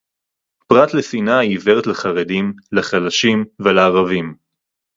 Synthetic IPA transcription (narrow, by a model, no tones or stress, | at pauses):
pʁat̪lefinaiveʁet̪leχaʁedimleχalaʃimveleːʁavim